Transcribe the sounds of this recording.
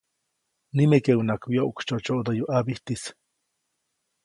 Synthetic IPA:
nimekewnakwjoʔkt͡ʃot͡ʃoʔd̪ojuʔabiht̪is

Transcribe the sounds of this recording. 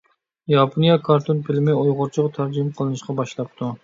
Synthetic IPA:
jɑpʰonijɑkʰɑɾt̪ʰonpʰɪlɪmɪojʁʊɾt͡ʃʰəʁt̪ʰæɾd͡ʒimqʰəlˠɨnɨʃqɑbɑʃlˠɑp̚t̪ʰu

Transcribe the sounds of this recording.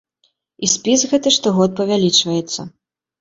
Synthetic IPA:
isʲpʲisɣɛt̪ɨʂt̪ɔɣɔt̪̚pɐvʲalʲit͡ʂvɐjɛt̪sːɐ

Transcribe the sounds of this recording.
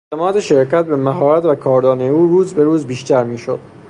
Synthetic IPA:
et̪emɒːd̪eʃe̞ɾcæt̪̚be̞mæɦɒːɾæt̪vækʰɒːɾd̪ɒːnejuːɾuːzbe̞ɾuːzbiːʃt̪æɾmiːʃo̞d̪̥

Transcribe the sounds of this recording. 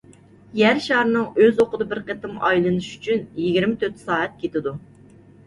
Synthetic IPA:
jæɾʃɑhɾɨnɨŋøzoqəd̪ɨbɪɾqʰet̪ɨmɑ̰jlˠɨnɨʃy̥t͡ʃʰynjiɡʲiɾmɪt̪ʰøt̪ʰɪ̥sɑːɛt̪̚kʲʰet̪ɪd̪u

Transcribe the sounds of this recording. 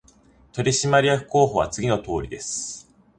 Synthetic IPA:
t̪o̞ɾʲiɕimaɾʲijakɯ̟̥ko̞ːho̞βa̰t͡sɨɡʲino̞t̪o̞ːɾʲid̪e̞sɨ̥

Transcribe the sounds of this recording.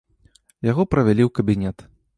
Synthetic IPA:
jaɣɔpɾɐvʲalʲiwkɐbʲinʲɛt̪

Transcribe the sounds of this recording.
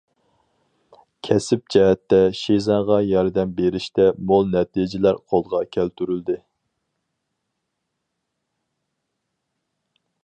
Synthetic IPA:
kʲʰɛsɪp̚d͡ʒɛɦɛt̪ːɛʃizɑʁɑjɑɾd̪ɛmbeɾɪʃt̪ɛmolˠnɛt̪ʰid͡ʒɪlæɾqʰolˠʁɑkʲʰælt̪yɾyld̪ɪ

